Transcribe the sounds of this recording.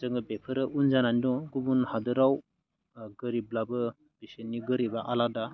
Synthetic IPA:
zɯŋɯbepʰɯɾɯʔunzanandɔɡubunhadɯɾaw | ɡɯɾiblabɯ | b̥isenːiɡɯɾibaʔalada

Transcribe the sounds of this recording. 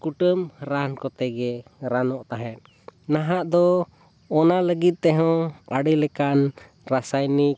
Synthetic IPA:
kuʈəmɾankɔt̪ɛɡɛɾanɔʔt̪aɦɛ̃t̪̚ | naɦaʔd̪ɔː | naləɡit̪̚t̪ɛɦɔ̃aɽilɛkan | ɾasajnik̚

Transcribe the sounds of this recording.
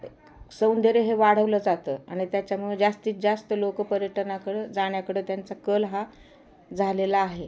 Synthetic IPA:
səwnd̪ʱeɾeɦeʋaɽ̤əʋləːd͡zat̪əːa̰ɽ̃it̪jat͡ɕjamued͡zast̪iːt͡s̪̚d͡zast̪əlokəpəɾjəʈənakəɽed͡zaɽ̃jakəɽeːt̪jant͡sakəlɦa | d͡zʱalelaːɦe

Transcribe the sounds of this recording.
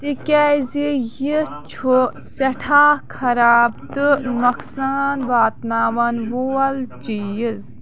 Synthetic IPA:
t̪ikɛzijit͡ʃʰu | sɐʈʰaːkʰɐɾaːb̚t̪ɨmɐkʰsaːnʋaːt̪naːʋɐnʋoːɐlt͡ʃiːjiz

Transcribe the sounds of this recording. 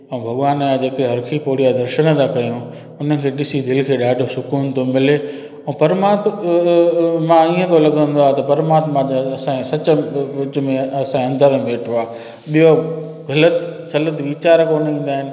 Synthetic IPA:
ɛ̃ːbʱɐɠʋaːnjãd͡ʑeːkeɦɐɾkʰipoːɽijad̪ɐɾʃəɽ̃̆t̪ʰakɐjõ | ʊnə̆kʰeːɗɪsid̪ɪlkʰeːɗaːɖʱosʊkuːnt̪omɪle | ɛ̃pɐɾmaːt̪ | mãiːə̃t̪ʰolɐɠə̃nd̪oaːɦt̪ɐpɐɾmaːt̪mãt̪ɐsãsɐt͡ɕə̆ɪt͡ɕ̆mẽɐsãɐ̃nd̪əɾmeːʈʰoaː | ɓijo | ɣɐlət̪sɐlət̪ʋiːt͡ɕaːɾkoːnĩːn̆d̪aːɦɪnɪ̆

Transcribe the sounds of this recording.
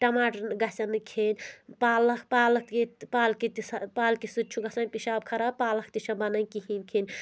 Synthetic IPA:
ʈɐmaːʈɐnɡɐsɐnɨkʰeːnʲpaːlɐkʰpaːlɐkkepaːlkit̪isɐpaːlkisut͡ʃʰuɡɐsɐnʲpiʃaːb̚kʰɐɾaːb̚paːlɐk̚t̪iʃɐ̃bɐnɐnkiɦimkʰenʲ

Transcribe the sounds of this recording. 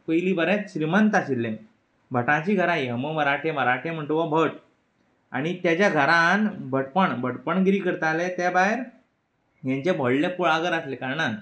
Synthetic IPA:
pəjlibəɾẽt̪ɕɾimənt̪asilːẽ | bʱəʈãt͡ɕiːɡʱəɾajəməməɾaʈʰẽməɾaʈʰẽm̤əɳt̪oʋabʱəʈ | a̰ɽ̃it̪jat͡ɕjaɡʱəɾãnbʱəʈpəɳbʱəʈpəɳɡɾiːkəɾt̪alet̪jabaɦeɾ | jãɲt͡ɕebʱəɭlepuɭaɡəɾaslekaɾɳa

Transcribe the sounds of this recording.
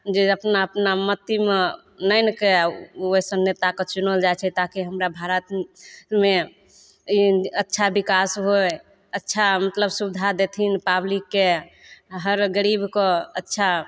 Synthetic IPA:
d͡ʒeəpnaəpnamət̪ime | nəɪnəkeosənːjet̪akɔt͡ʃunəld͡ʒajt͡ʃʰɛt̪akiɦəmɾabʱaɾət̪me | ətːʃʰabikasɦoj | ətːʃʰamət̪ləbsubd̪ʱad̪et̪ʰinpablikːe | ɦəɾɡəɾibkɔətːʃʰa

